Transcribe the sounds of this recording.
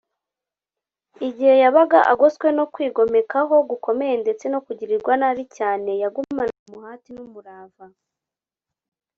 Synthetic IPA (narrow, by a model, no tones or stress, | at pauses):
iɟihe̞jaβaɡaʔa̰ɡoskwe̞no̞kwiːɡo̞me̞kaɦo̞ɡuko̞me̞je̞nde̞t͡se̞no̞kuɟiɾiɾɡwanaɾicaːne̞jaɡumanamuhaːtinumuɾaːva